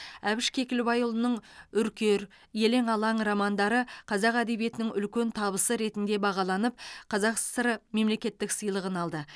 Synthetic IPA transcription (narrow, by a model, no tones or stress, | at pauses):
æbɪʃkʲʰe̞kʲɪlbɑjʊlˠənəɴʏɾkʲe̞ɾ | je̞le̞ŋɑlˠɑɴɾomɑnd̪ɑɾəqʰɑzɑqæd̪e̞bije̞t̪ɪnɪŋʏlkʲe̞nt̪ʰɑβəsəɾe̞t̪ɪnd̪e̞bɑʁɑlˠɑnəp̚qʰɑzɑqsəɾme̞mle̞kʲe̞t̪ːɪksəjlˠəʁənɑlˠd̪ə